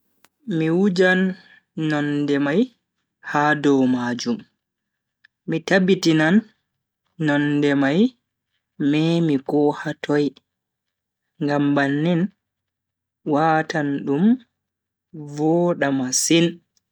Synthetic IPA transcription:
miwud͡ʒanː | ɔndɛmaj | hadɔwmad͡ʒum | mitabitinanː | ɔndɛmaj | mɛmikɔhatʰɔj | ŋɡambanːin | watʰanɗum | vɔɗamasin

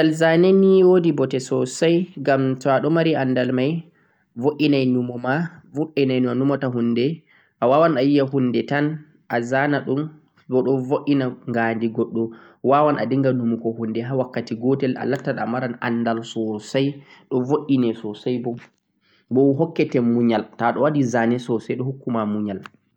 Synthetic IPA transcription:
talzanɛniwodibɔtɛsɔsajɡamtɔaɗɔmaɾiʔanːdalmaj | voʔinajnumɔmavoʔinajnuanumɔtaɦunːdɛ | ʔawawanajijaɦunːdɛtan | ʔazanaɗum | bɔɗɔvoʔːinaŋɡandiɡɔɗːɔ | wawanadiŋɡanumukɔhundɛɦawakːatiɡɔtɛla̰latːaɗamaɾana̰nːdalsɔsajɗɔvoʔːinɛsɔsajbɔ | bɔwɦɔkːɛtɛmuɲaltaɗɔwadizanɛsɔsajɗɔhukːumamuɲal

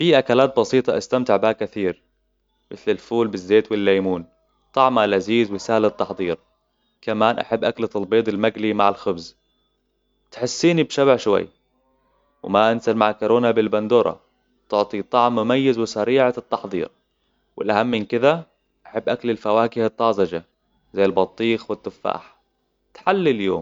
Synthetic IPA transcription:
fiʔakalaːt̪̚bɑsiːt̪ˤɑʔast̪amt̪ɪʕbaːkaθiːɾ | mɪθlɪlfuːlbɪzːeːt̪wɪlːajmuːn | t̪ˤɑʕmalʔaziːzwɪsahlɪt̪ːɑħd̪ˤiːɾ | kamaːnʔa̰ħabːʔaklɪt̪ˤɑlbeːd̪ˤɪlmaɡlimaʕɪlxʊbz | t̪ħɪsːiːnibʃabaʕʃwa̰jː | wmaʔansalmaʕkʊɾoːnabɪlband̪uːɾˤɑ̰ | t̪ʊʕt̪ˤit̪ˤɑʕmːʊmajːazwɪsaɾiːʕat̪ːɑħðˤḭːɾ | wɪ̰lʔahamːɪnkɪða | ʔaħabːʔaklɪlfawaːkɪhɨt̪ˤːɑːzɑd͡ʒa | zajːɪlbɑt̪ˤːiːxwɪt̪ːʊfːa̰ːħ | t̪ħalːiljo̰ːm

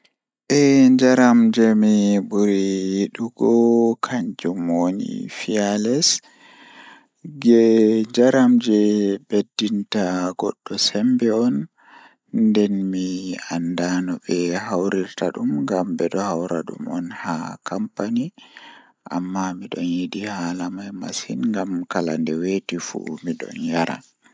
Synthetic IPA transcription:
ʔɛd͡ʒaɾamd͡ʒɛmibuɾijɗuɡɔkʰaɲd͡ʒumonḭfialɛs | ɡɛɲd͡ʒaɾamd͡ʒɛbedːintaɡɔ̰ɗːɔsɛmbɛɔn | dɛnmiandanɔɓɛhawɾiɾtaɗumŋɡambɛɗɔhawɾa̰ɗṵmɔnhakʰampani | ʔa̰mːamiɗɔnjidihalamajma̰sinŋɡamkalandɛwetifṵmiɗɔ̰njaɾa̰

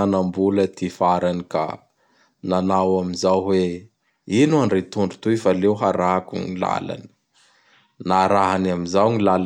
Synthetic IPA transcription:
anambulət̪ifaɾanika̰ | nanawamizawɦwe | inuaɳɖ͡ʐet̪uɳɖ͡ʐu̥t̪ufalewɦaɾaɦkuŋila̰la̰ni̥ | naɾaɦanamizawŋilal

